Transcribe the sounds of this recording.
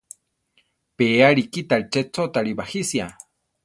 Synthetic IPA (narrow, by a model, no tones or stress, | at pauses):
peːaɾikit̪aɾit͡ʃet͡sot̪aɾibahisia